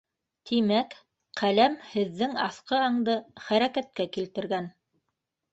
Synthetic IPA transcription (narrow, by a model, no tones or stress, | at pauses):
t̪ʰimæk | qælæmhɘ̆ðːɘŋɑθqɤɑɴd̪ɤχæɾækæt̪̚kækilt̪ɘ̆ɾɡæn